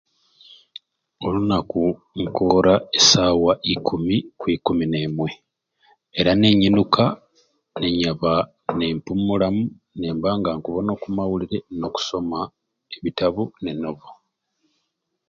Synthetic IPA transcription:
o̞lunaku | ŋkoɾaesaːwaʔikumikwiːkumine̞ːmwe̞ | eɾane̞ɲinukʰa | ne̞ɲaβa | ne̞ːmpumulamu | neːmbaːŋɡaŋkuβono̞kumawuliɾe̞no̞ku̥so̞ma | eβitaβune̞noβo

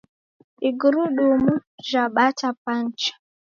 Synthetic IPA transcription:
iɡuɾuɗumuʒaɓatapan̩t͡ʃḁ

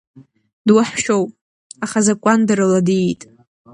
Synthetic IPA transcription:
dwaħʃowpʼ | aχazakʷʼandaɾɨladiitʼ

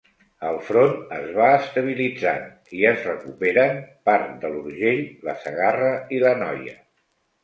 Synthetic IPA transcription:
əlˠfɾonəzβaəst̪əβ̞ilid͡zan | iəzrəkupeɾənpaɾt̪d̪əluɾʒeʎləsəɣarəilənɔjə̰

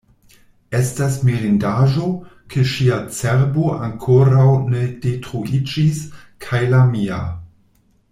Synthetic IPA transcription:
e̞stasmiɾindaʒo̞kʰeʃiat͡seɾboʔaŋkʰoɾawne̞d̥etɾuid͡ʒiskʰajlamia̰

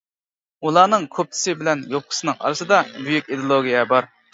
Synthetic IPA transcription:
ulˠɑːnɨŋkʲʰøp̚t̪ʰɪ̥sɪbɪlɛnjop̚qʰə̥sɨnɨŋɑ̰ɾɨsɨd̪ɑbyjykʲid̪olˠoɡʲijɛbɑɾ

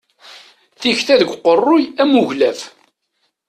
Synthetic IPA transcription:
θiçθæðəɡʷqːərˤːʊjæmuʝlæf

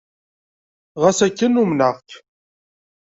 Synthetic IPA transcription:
ʁæsækːənumnəʁk

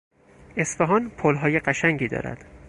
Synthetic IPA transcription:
e̞sfeɦɒːnpʰolɦɒːjeɢæʃæŋɟiːd̪ɒ̰ːɾæ̰d̪̥

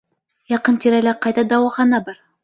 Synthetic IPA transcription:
jɑqɤnt̪iɾælæqɑjd̪ɑd̪ɑwɑχɑnɑbɑɾ

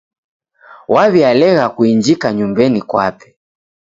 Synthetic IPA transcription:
waβialɛɣakuiɲd͡ʒikaɲumbɛnikwa̰pɛ̥

